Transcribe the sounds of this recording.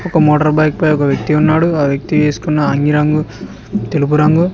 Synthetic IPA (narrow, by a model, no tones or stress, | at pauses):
ɔkɐmoːʈɐɾbɐjk̚pɐjɔkɐʋjɐk̚t̪iunːaːɽuaːʋjɐk̚t̪iʋeːsu̥kunːɐːŋɡiɾaːŋɡu | t̪elup̬uɾaːŋɡu